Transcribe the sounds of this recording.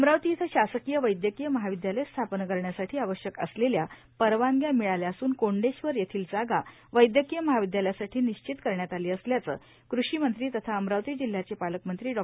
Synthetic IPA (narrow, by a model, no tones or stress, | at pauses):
əmɾaʋt̪iːt̪ʰəɕasəkijəʋəjd̪jəkijəməɦaʋid̪jaləjst̪ʰapnəkəɾɳjasaʈʰiːaʋəɕjəkə̰slelja | pəɾʋaŋɡjamiɭaljaːsuːnkoɳɖeɕʋəɾjet̪ʰiːld͡zaɡa | ʋəjd̪jəkijəməɦaʋid̪jaləjasaʈʰiːniɕt͡ɕit̪kəɾɳjat̪aliːəsljat͡sə̰ː | kɾuɕiːmənt̪ɾiːt̪ət̪ʰaəmɾawt̪iːd͡ʑil̤ːjat͡ɕepaləkmənt̪ɾiːɖɔ